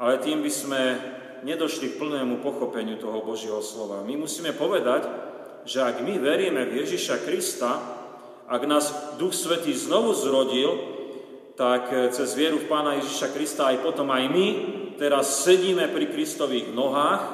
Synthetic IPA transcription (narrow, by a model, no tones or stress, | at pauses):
ʔalɛt̪iːmbizmɛ | ɲɛd̪ɔʃlik̚pl̩nɛːmupɔxɔpɛɲɪut̪ɔɦɔbɔʒɪɛɦɔslɔʋa̰mimusiːmɛpɔʋɛd̪ac | ʒɛaɡmiʋɛɾjɛmɛvjɛʒiʃakɾist̪a | ʔaɡnaːzd̪uxsʋɛt̪iːznɔʋuzɾɔɟil | t̪akt͡sɛzʋɪɛɾufpaːnajɛʒiʃakɾist̪aːjpɔt̪ɔmajmit̪ɛɾasːɛɟiːmɛpɾikɾist̪ɔʋiːɣnɔɦaːx